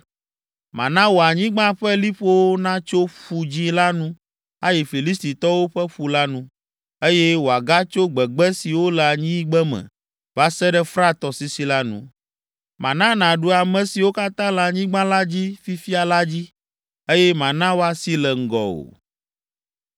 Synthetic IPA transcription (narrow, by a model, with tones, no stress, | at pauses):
mã̰˨nã˦wo˨a˨ɲĩ˦ɡ͡bã˦ɸɛ˦li˦ɸo˦wo˦nã˦t͡ʃo˦ɸu˨d͡ʑi˦la˦nũ˦ | a˦ji˨fi˨li˦st̪i˨t̪ɔ˦wo˦ɸɛ˦ɸu˨la˦nũ˦ | e˦jɛ˦wo˨a˨ɡa˦t͡ʃo˦ɡ͡bɛ˨ɡ͡bɛ˦si˨wo˦lɛ˨a˨ɲĩ˦ɡ͡bɛ˦mɛ̰̃˨ | va˦sɛ˦ɖɛ˦fɾa˦t̪ɔ˨si˨si˨la˦nṵ̃˦ | mã̰˨nã˦nã˨ɖu˦a˨mɛ̃˨si˨wo˦ka˦t̪ã˦la˨ɲĩ˦ɡ͡bã˦la˦d͡ʑi˦fi˦fi˦a˨la˦d͡ʑi˦ | e˦jɛ˦mã˨nã˦wo˦a˨si˦lɛ˨ŋ̩˦ɡɔ̰˨o̰˨